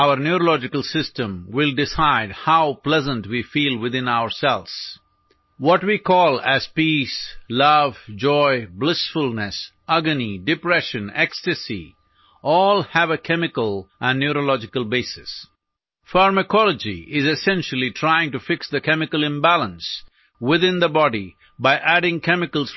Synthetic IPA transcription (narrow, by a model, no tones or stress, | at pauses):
aʊəɾnjuɾolɔd͡ʒɪkəlˠsɪstə̃mwɪlˠɖɪsaɪdhaʊplɛzə̃nʈwifiːlˠwɪd̪ɪ̃naʊəɾsɛlˠz̥ | wɔʈwikʰɔːlæz̥pislʌvd͡ʒɔɪblɪsfʊlˠnəsʔʌɡəniɖɪpɾɛʃə̃nɛkstɨsḭ | ʔɔːlˠhævəkʰɛmɪkəlʔə̃nːjuɾolɔd͡ʒɪkəlˠbeɪsɪs | faɾməkʰɔləd͡ʒḭʔɪzɨsɛ̃nʃəl̩ˠitʰɾaɪɪ̃ŋʈufɪksd̪əkɛmɪkəlɪ̃mbælə̃ns | wɪðɪ̃nd̪əbɔɖi | baɪʔæɖɪ̃ŋkʰɛmɪkəlˠz̥